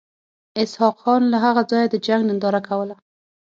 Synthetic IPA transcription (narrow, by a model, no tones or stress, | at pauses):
ɪshɑqxɑnlaɦaɣad͡zɑjad̪əd͡ʒaŋɡnɪnd̪ɑɾakʰawəla